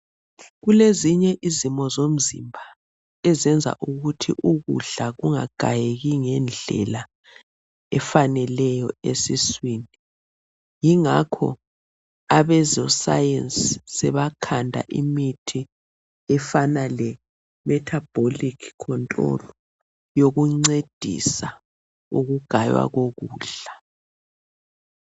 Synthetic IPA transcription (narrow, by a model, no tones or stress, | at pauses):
ɣuleziɲɛʔizimɔzom̩zḭmbʱa | ɛzɛnd͡zʱa̰ʔuɣutʰḭʔuɣṵɮaɣuŋa̰ɡ̥ʱajeɣiŋɛnd͡ɮʱɛ̰la | ɛfanɛlɛjɔesiswiːni | jiŋakʰɔ̰ | aβɛzɔsa̰jenssɛβakʰandʱa̰ʔimitʰi | ɛfanalɛ | mɛtʰab̥ʱolikʰkʰːɔntʼrɔ̰lɔ | joɣuŋ͡ǀed̥ʱḭsa | uɣuɡ̥ʱajwa̰ɣoɣuːɬa